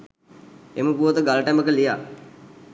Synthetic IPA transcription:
eməpuʋət̪əɡaləʈæməkəlijaː

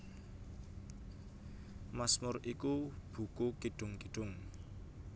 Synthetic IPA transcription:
masmʊrʔikub̥ṳkukiɖ̥ʊ̤ŋkiɖ̥ʊ̤ŋ

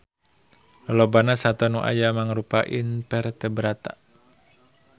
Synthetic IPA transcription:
lobanasat̪ɔnuʔa̰jamaŋɾupaʔinpɛrt̪ɛbəɾat̪a

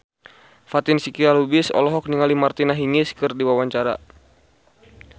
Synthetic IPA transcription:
fat̪ɪnsikialubisɔ̰lɔɦɔk̚niŋalimart̪inaɦiŋɪskɨrdiwawaɲt͡ʃaɾa̰

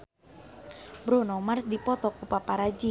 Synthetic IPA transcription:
bɾunɔmarsdipɔt̪ɔkupapaɾad͡ʒi

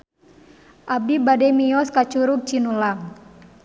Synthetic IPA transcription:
ʔab̚dibadɛmiɔskat͡ʃuɾuk̚t͡ʃinulaŋ

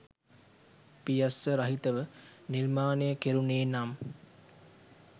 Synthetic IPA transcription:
pijɐsəɾɐɦit̪əʋəniɾmaːnejəkeɾuneːnam

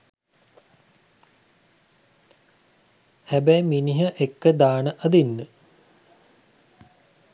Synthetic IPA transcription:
hæbæjminiɦɐʔekːəd̪aːɳəʔɐd̪inːə

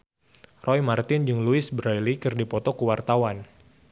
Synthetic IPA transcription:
rʔɔjmart̪ɪnd͡ʒɨŋluɪsbɾɔjlikɨrdipɔt̪ɔkəwart̪awan

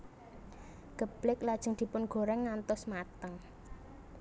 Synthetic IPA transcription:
ɡ̥əb̥lɪklad̥ʒ̥ə̤ŋd̪̥i̤pʊnɡ̥o̤ɾɛŋːant̪ɔsmat̪əŋ

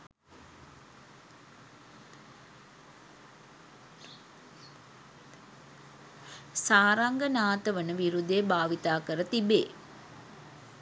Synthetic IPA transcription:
saːɾaŋɡənaːt̪əʋənəʋiɾud̪eːbaːʋit̪aːkəɾət̪ibeː

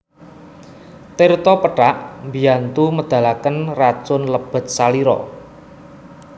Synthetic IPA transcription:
t̪ɪrt̪ɔpəʈaʔmbiant̪uməd̪̥ä̤lakənrat͡ʃʊnləb̥ə̤t̪̚saliɾɔ̰

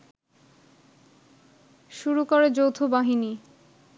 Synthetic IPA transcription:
ʃuɾukoɾed͡ʑowt̪ʰobaɦini

